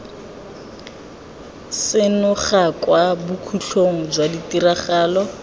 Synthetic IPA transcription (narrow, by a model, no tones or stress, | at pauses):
sɪnʊχakwabukʰuɬʰoŋ̩d͡ʒwaditiraχaːlɔ